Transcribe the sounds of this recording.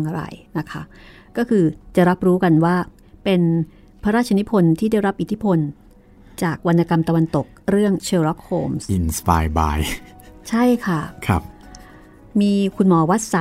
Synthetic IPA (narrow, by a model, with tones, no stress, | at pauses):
ŋʔa˧ɾa̰˧˩jna˦˥kʰa˦˥ | kɔː˥˩kʰɯː˧t͡ɕa˨˩ɾa˦˥p̚ɾuː˦˥ka˧nwaː˥˩ | pe˧n | pʰa˦˥ɾaː˥˩t̪̚ʰa˧ni˦˥pʰo˧nt̪ʰiː˥˩da˥˩jɾa˦˥p̚ʔi˨˩t̪ʰi˦˥pʰo˧n | t͡ɕaː˨˩k̚wa˧nːa˧ka˧mt̪a˧wa˧nt̪o˨˩k̚ɾɯ˥˩əŋt͡ɕʰɤː˧ɾɔ˦˥k̚hoː˧msʔi˧nspa̰ː˧jba̰ː˧j | t͡ɕʰa˥˩jkʰa˥˩kʰa̰˦˥˩p̚ | miː˧kʰu˧nmɔː˧wa˦˥t̪̚sa˨˦